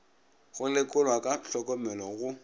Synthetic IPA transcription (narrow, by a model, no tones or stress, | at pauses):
ɣʊlɪkʼʊlwakʼaɬɔkʼɔmɛlɔɣʊ